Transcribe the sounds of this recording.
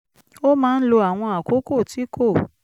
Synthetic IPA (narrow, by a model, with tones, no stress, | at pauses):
o˦mãː˦n̩˦lo˧a˨w̃ɔ̃˧a˨ko˨˦ko˦˨tʰi˨˦kʰo˦˨